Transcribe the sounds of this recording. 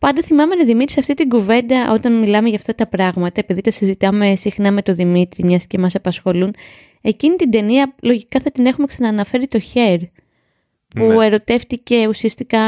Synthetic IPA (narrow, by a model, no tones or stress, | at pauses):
pɐnd̪ɐθimɐme̞nɐðimit̪ɾisɐft̪it̪iŋɡuve̞nd̪ɐʔo̞t̪ɐnmilɐmeʝɐft̪ɐt̪ɐpɾɐɣmɐt̪ɐepiðit̪ɐsizit̪ɐme̞sixnɐme̞t̪o̞ðimit̪ɾimɲɐsce̞mɐsɐpɐsxo̞lun | e̞cinit̪ind̪e̞niɐlo̞ʝikɐθɐt̪ine̞xumeksɐnɐːnɐfe̞ɾit̪o̞çe̞ɾ | pue̞ɾo̞t̪e̞ft̪ice̞usiɐst̪ikɐ